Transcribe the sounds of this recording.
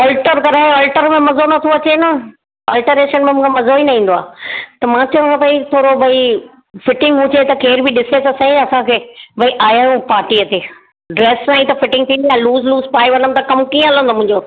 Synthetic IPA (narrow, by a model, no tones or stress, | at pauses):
ɔːlʈəɾkɐɾaːjũɔːlʈəɾmẽmɐzonɐt̪ʰoɐt͡ɕenɐ | ɐːlʈəɾeːʃənmẽmʊ̃ːkʰemɐzoinɐɦĩːn̆d̪oa̰ːt̪ɐmãːt͡ɕɐʋə̃ãt̪ɐit̪ʰoːɾobʱɐi | fɪʈɪ̃ŋɡɦʊ̃t͡ɕet̪ɐkeːɾbiɗɪset̪ɐsɐ̃ĩɐsãkʰeːbʱɐiʔaːjaːjũpaːɾʈiət̪eː | ɖɾeːssãːĩt̪ɐfɪʈɪ̃ŋɡt̪ʰĩnd̪ijaːluːzluːzpaːiʋɐnəmt̪ɐkɐmkiːə̃ɐlə̃nd̪omʊ̃ɦɪ̃ɲd͡ʑoː